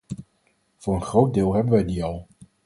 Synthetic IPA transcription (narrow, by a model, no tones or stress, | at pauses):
v̥ʊːɹənχrowt̚dɪːlˠɦɛbənʋɛjdiɑlˠ